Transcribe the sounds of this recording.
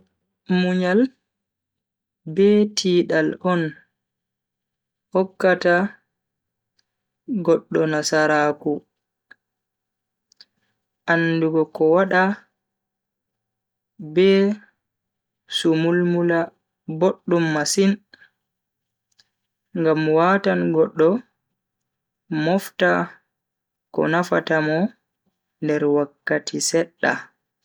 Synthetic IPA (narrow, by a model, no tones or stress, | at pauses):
muɲal | bɛtʰiːɗalɔn | hɔkːata | ɡɔɗːɔnasaɾaku | ʔanːduɡɔkɔwaɗa | bɛ | sumulmula | boɗːumːasin | ŋɡamwatanɡɔɗːɔ | mɔfta | kɔ̰nafatamɔ | ndɛɾwakːatʰisɛɗːa̰